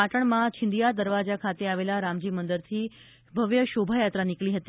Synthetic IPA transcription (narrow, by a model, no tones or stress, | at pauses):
aʈəɳmãt͡ɕʰɪ̃nd̪ijad̪əɾʋad͡ʒakʰat̪eaʋelaɾamd͡ʑimənd̪əɾt̪ʰi | bʱəʋjəʃobʱajat̪ɾanikliɦət̪i